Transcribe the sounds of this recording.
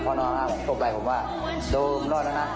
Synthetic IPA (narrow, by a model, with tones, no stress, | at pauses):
pʰɔː˧˨nɔː˧ŋʰaː˧˩pʰo˨˩˦to˧˩p̚la˨˧˩jpʰo˨˦mwaː˧˩ | do˧mlɔː˥˩na˧˥˩na˧˩